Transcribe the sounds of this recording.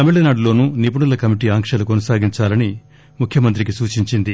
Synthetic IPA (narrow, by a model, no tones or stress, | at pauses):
ɐmiɭɐnaːɽulo̞ːnunipuɳulɐkɐmiʈiːaːŋkʂɐlukonɐsaːɡiɲt͡ʃaːlɐni | mukʰjɐmɐnt̪̬ɾik̬isuːt͡ʃiɲt͡ʃind̪i